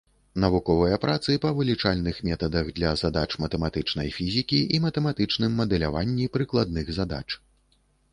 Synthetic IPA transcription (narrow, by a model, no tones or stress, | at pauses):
nɐvukɔvɐjɐpɾʔat̪sɨpɐvɨlʲit͡ʂalʲnɨxmʲɛt̪ɐd̪ɐɣd̪lʲɐzad̪at͡ʂmɐt̪ɛmat̪ɨt͡ʂnɐjfʲizʲikʲiʔimɐt̪ɛmat̪ɨt͡ʂnɨmːɐd̪ɛlʲavanʲːipɾɨklˠad̪̚nɨɣzad̪a̰t͡ʂ